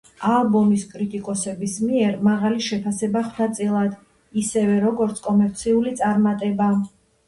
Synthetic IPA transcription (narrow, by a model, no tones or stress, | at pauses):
alˠbɔmiskʼɾit̪ʼikʼɔsɛbismiɛɾmaʁaliʃɛpʰasɛbaχnat̪sʼilˠad̪ | isɛvɛɾɔɡɔɾt̪sʰkʼɔmɛɾt̪sʰiulit̪sʼaɾmat̪ʼɛba